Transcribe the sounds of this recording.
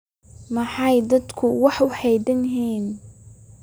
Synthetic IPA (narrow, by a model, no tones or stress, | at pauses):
mɑħɑjd̪ɐd̪kʰʊwɑħʊħɛjd̪ɐnɦiːn